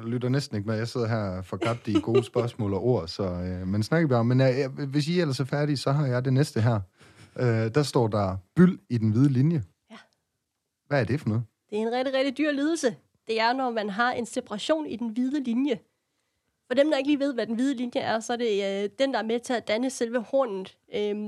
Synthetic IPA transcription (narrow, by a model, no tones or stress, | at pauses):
lyd̥ɐnesd̥n̩e̝ɡ̥əmejäɪse̝ð̞̰ˠɐɦæɐ̰fɒ̽kʰɑ̈b̥̚d̥iɡ̥o̝ːsb̥ɶɐsmɔ̰̽ːlɒ̽ʔo̝ɐ̰sɒ̽ømensnɑ̈ɡ̥əb̥ɑ̈ɒ̽mːenʋe̝s̬iel̰ɐsɒfæɐɾ̥isɒ̽ɦɑ̈jɑ̈ɪd̥e̝nesd̥əɦæɐ̰ | ød̥æsd̥ɒ̰ːd̥ɑ̈b̥yl̰id̥enʋið̞ˠəlinjə | ʋææɐd̥e̝fɒnɔ̽ːð̩ˠ | d̥e̝æɐe̝nʁɛɡ̥d̥iʁɛɡ̥̚d̥id̥yːɐ̰liːð̞ˠl̩sə | d̥e̝æɐnɒmænɦɑ̈e̝nsepʰɑʁɑ̈ɕo̝̰ːnid̥enʋið̞ˠəlinjə | fɒ̽d̥emd̥ɑ̈eɡ̥liːʋe̝ð̞̰ˠʋæd̥enʋið̞ˠəlinjəʔæɐsɒ̽æɐde̝d̥end̥ɑ̈æɐmet͡sʰe̝æd̥ænəselʋəhɔ̰ːnðn̩ˠ | ø